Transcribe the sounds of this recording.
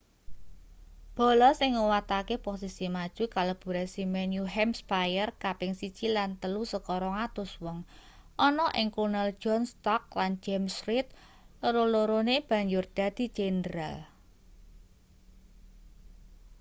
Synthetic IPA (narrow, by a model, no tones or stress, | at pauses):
b̥ɔ̤lɔsɪŋːuwat̪akeposisimad̥ʒ̥ṳkalob̥ṳɾɛsimɛnjuɦɛmspajərkapɪŋsi̥t͡ʃilant̪əlusəkɔɾɔŋat̪ʊswɔŋ | ʔɔnɔʔɪŋkunɛl̥d͡ʒɔnst̪ɔk̚land͡ʒɛmsɾɪt̪̚ | ləɾoloɾoneb̥ä̤ɲd͡ʒʊrd̪̥a̤d̪̥i̤d͡ʒ̥endɾa̰l